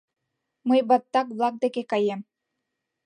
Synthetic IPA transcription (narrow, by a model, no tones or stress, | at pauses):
mɤjbɑt̪ːɑkblˠɑk̚d̪ekekɑjem